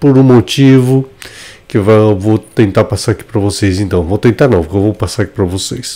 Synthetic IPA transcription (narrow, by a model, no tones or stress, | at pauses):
poɾũmot͡ʃivʊkɪvawvowt̪ẽnt̪aɾpasaɾaki̥pɾɐvosejzẽnt̪ɐ̃w̃vowt̪ẽnt̪aɾnɐ̃w̃poɾkewvowpasaɾaki̥pɾɐvosejs